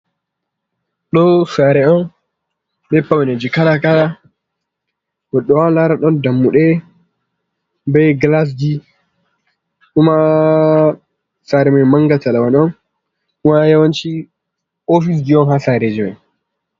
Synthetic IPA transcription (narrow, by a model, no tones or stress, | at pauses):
ɗɔsaɾɛɔn | ɓɛpːawɛnad͡ʒikalakala | ɡɔɗːɔwalaɾaɗɔndamːuɗɛ | bɛjɡlas̬d͡ʒi | ʔuma | saɾɛmɛjmaŋɡatalawanɔn | umajawant͡ʃi | ofis̬d͡ʒiɔnhasaɾed͡ʒimɛ̰n